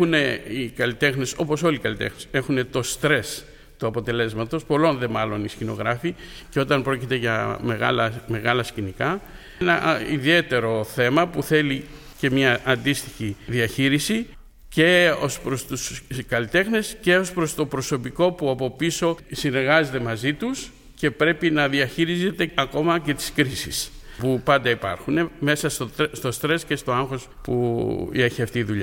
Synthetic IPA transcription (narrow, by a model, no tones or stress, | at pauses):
une̞ikɐlit̪e̞xneso̞po̞so̞likɐlit̪e̞̰xnese̞xune̞t̪o̞st̪ɾe̞s | t̪uɐpo̞t̪e̞le̞zmɐt̪o̞spo̞lo̞nðe̞mɐlo̞niscino̞̰ɣɾɐfi | ceo̞t̪ɐmpɾo̞cit̪e̞ʝɐmeɣɐ̰lɐme̞ɣɐlɐscinikɐ | nɐiðie̞t̪e̞ɾo̞θe̞mɐpuθe̞li | ce̞mɲɐʔːnd̪ist̪içiðiɐçiɾisi | ce̞o̞spɾost̪uskɐlit̪e̞xne̞sce̞o̞spɾo̞st̪o̞pɾo̞so̞piko̞puɐpo̞piso̞sine̞ɾɣɐze̞t̪e̞mɐzit̪us | ce̞pɾe̞pinɐðiɐçiɾize̞t̪e̞ɐko̞mɐce̞t̪i̥skɾisis | pupɐnd̪ɐipɐ̰ɾxune̞me̞sɐsost̪o̞st̪ɾe̞sce̞st̪o̞ɐŋxo̞spṵeçiɐft̪iːðuʎɐ